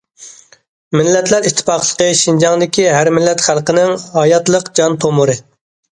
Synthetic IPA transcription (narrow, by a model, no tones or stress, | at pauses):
mɪlːɛt̪læɾiʃt̪ʰːɪ̥pɑqlˠəqəʃind͡ʒɑŋd̪ɪkʲiɦæɾmɪlːɛt̪χælˠqənɪŋɑjɑt̪lˠəqd͡ʒɑnt̪ʰomuɾɨ